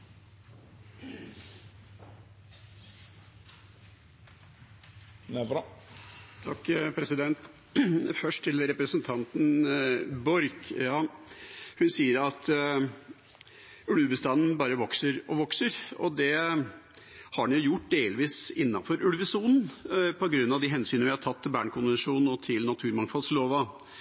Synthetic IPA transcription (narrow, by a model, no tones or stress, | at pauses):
t̪ʰɑkːpʰɾɛsɪd̪ɛnt̪ | fœʂʈ̪ʰɪlɾɛpɾəsənt̪ʰɑnt̪n̩ | bɔɾkjɑː | hʉnsiːəɾɑt̪ | ʉlbəst̪ɑnn̩bɑːɾəʋɔksəɾɔʋɔksəɾɔd̪ɛ | hɑɖɛnjʊjʊʈ̚ːd̪eːlʋiːsɪnːɑfɔɾʔʉlʋəsuːnn̩pʰɔɡɾʉnːɑʋd̪iɦɛnsyːnəʋɪhɑɾʈ̪ʰɑt̪ʰːɪlbæːɳkʰʊnʋɛnʂuːnn̩ɔt̪ʰɪlnɑt̪ʰʉːɾmɑŋfɑlsloːʋɑ